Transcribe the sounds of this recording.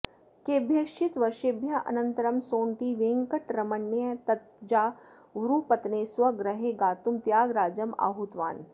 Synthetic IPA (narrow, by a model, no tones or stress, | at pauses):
keːbʱjɐʃit̪ʋɐɾʃebʱjɐʔɐ̰nɐ̃nt̪ɐɾɐmsoːɳʈiʋẽːŋkəʈɾɐmɐnːjɐt̪ɐt̪̚d͡ʒaː | ʋɾupɐt̪neːsʋɐɡɾɐɦeɡaːt̪umt̪jaːɡɾaːd͡ʒɐma̰ːɦut̪ʋa̰ːn